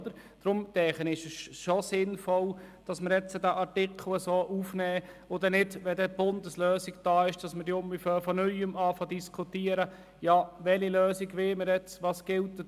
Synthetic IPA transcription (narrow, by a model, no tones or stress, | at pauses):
d̪əɾ | d̥ɾʊmd̪̥ɛːχənɪʃəsʃosɪnfɔld̥ɑsməɾjɛt͡sədæʔɑɾtɪkʰl̩əsoːʔufnɛː | ʊdɛnɪdʋɛdɛb̥ʊnd̪əsløːsiɡd̥ɑːɪʃd̥ɑsməɾdiʊmbɪføːɾfɔnœjəmɑːfɑdiskʰʊtiːəɾə | jɑʋɛliløːsiɡʋɪlməɾjɛt͡sʋɑːsɡ̥ɪltdɛ